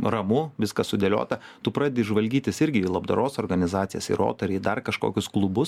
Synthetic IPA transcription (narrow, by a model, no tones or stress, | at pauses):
rɐmʊʋʲɪskɐsʊd̪ʲeːlʲo̰ːt̪ɐt̪ʊpɾɑːd̪ʲed̪ʲeɪʒʋɐlʲɡʲiːt̪ʲɪsɪɾʲɡʲɪilˠɐbd̪ɐɾoːsoːɾɡɐnʲɪzɑːt̪sʲɪjɛ̰sɪ̰ɾo̰ːt̪ɐɾʲiːd̪ɐrkɐʃko̰ːkʲʊsklˠʊbʊs